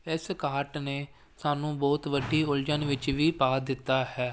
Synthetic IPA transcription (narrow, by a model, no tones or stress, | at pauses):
ɪskaːʈneː | saːnũːbɔːt̪ʋəɖːiːʊld͡ʒənʋɪt͡ʃʋiːpaːd̪ɪt̪ːaːhɛː